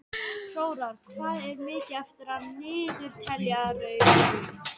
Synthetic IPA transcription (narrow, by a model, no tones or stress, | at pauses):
roːwɾaɾkʰvaːðɛɾmɪːcɪaft̪ʏɾanɪːðʏɾ̥t̪ʰɛɾjaɾʏ